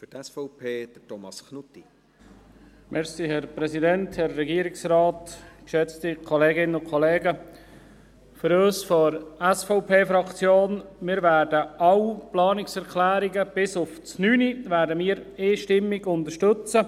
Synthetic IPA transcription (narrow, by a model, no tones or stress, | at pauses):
fytɛsfɔʊpʰeːd̥̪ətɔmɑsknutːi | mʔɛɾsiɦɛrpɾɛsidɛnthɛrːɛɡiəɾɪksrɑːtkʃɛt͡stikʰɔleːɡɪnəʊnkʰɔleːɡə | fʏɾøːsfɔɾɛsfɔʊpʰeːfɾɑkt͡sjoːnmɪːɾvæːɾdəʔɑwplɑːnɪksɛɾkʰlæːɾiɡəb̥ɪsʊft͡snyːnivæːɾdəmiːəɾeːʃtɪmːiɡʊnd̪əʃtɵt͡sə